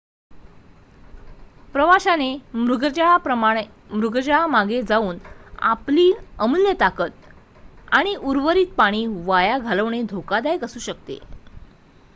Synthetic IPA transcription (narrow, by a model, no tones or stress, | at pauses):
pɾəʋaɕanemɾuɡd͡ʑaɭapɾəmaɳe | mɾuɡɾd͡ʑaɭamaɡed͡zauːna̰pliːəmuljət̪akət̪̚ | aɽ̃iʔuɾʋəɾiːt̪̚paɽ̃iːʋajaɡʱaləʋɳed̪ʱokad̪ajkəsuːɕək̚t̪ḛ